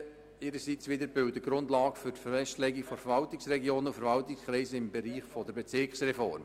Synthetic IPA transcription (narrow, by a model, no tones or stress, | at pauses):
ɪɾəsit͡sʋɪd̪əɾbʏwtəɡɾʊndlɑːɡəfʏɾtfɛstlɛːɡiɡfɔfəɾvɑltɪksrɛɡjoːnufəɾvɑltɪkskɾɛːzəɪmbɛɾiːχfɔdəɾbɛt͡sɪkχsrɛfɔɾm